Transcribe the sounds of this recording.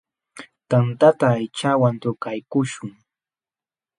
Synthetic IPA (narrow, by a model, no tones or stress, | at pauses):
t̪ant̪at̪aːjt͡ʃawant̪ʊkajkʊʃʊŋ